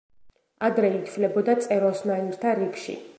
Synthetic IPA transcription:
ad̪ɾɛit̪ʰvlɛbɔd̪at̪sʼɛɾɔsmaniɾt̪ʰaɾikʃḭ

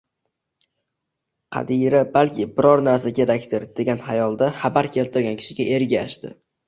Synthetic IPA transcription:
qʰɑ̰d̪ijɾɪbalkʲʰɪbɪɾɒɾnaɾsakʲʰe̞ɾakʲt̪ʰɪɾd̪e̞ɡʲanhajɒlˠd̪aχabaɾkʲʰe̞lt̪ʰɪɾɡʲankʲʰɪ̥ʃɪɡʲaʔe̞ɾɡʲaʃt̪ɪ̰

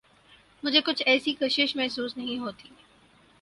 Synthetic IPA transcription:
mʊd͡ʒʱekʊt͡ʃʰɛːsikɐʃɪʃmɛɦsuːsnɐɦĩɦoːt̪iː

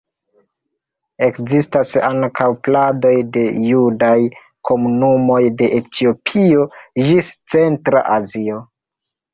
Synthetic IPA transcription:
e̞kzistasaŋkʰawplado̞jde̞judaj | kʰo̞munumo̞jde̞ʔetʰio̞pʰio̞d͡ʒist͡se̞ntɾa̰ʔazio̞

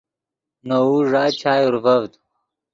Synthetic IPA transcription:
nouʐaːt͡ɕʰaːjuɾvɐvd̪

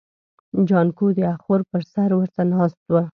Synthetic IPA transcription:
d͡ʒɑnkod̪əaxoɾpəɾsaɾwəɾt̪anɑst̪wa

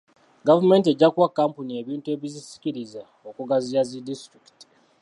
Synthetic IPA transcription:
ɡavume̞ːnt̬ie̞ɟːakwakːampunie̞ːβiːntue̞ːβizisi̥kiɾiza | okuɡazijazidistɾiki̥ti̥

